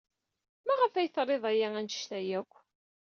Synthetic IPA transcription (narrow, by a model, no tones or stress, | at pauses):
mæʁəfæjθɾˤeðˤæjæænt̪ə̥ʃt̪æjækʷː